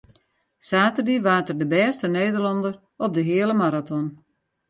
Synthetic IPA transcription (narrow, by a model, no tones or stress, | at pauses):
saːtərdiəʋaːrtərdəbɛːstəneːdərlɑndər | ɔp̚dəɦɪələmaɾatɔn